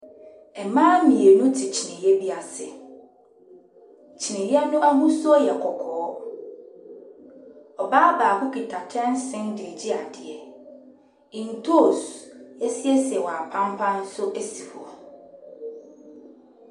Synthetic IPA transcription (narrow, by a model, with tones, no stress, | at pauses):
ɛ˨mãː˦mĩ˨e˨nʊ̃˦tʰɪ˨t͡ɕʰi˨nɪ̃˨jɛ˦bi˦a˨sɪ˨ | t͡ɕʰi˨nɪ̃˨jɛ˦nʊ̃˦ʔa˦ɦũ˦sɔ˦jɛ˨kʰɔ˨kʰɔː˨˦ | ɔ˨baː˦baː˨bʊ˦ki˨tʰa˨tʰɛ̃˦n˦sɪ̃˦ndɪ˨e˨d͡ʑi˦a˨dɪ˨ɛ˨ | ĩ˨n˨tʰo˦˨se˦si˦ɛ˦sɪ˨ɛ˨wɔ̃˨a˨pʰã˦m˦pʰã˦n̩˦sʊ˦ʔe˦si˨fɔ˨